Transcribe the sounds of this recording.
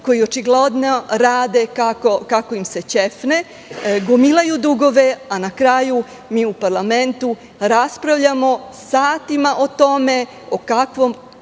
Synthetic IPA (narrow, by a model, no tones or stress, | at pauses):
ko̞jio̞t͡ʃiɡled̪noɾaːd̪e̞kakokako̞imse̞t͡ɕefne | ɡomilajud̪uɡo̞ʋe̞anakɾaju | miːupaɾlˠame̞nt̪u | ɾaspɾaʋʎamo̞saːt̪imaʔot̪o̞me̞ | okakʋo̞m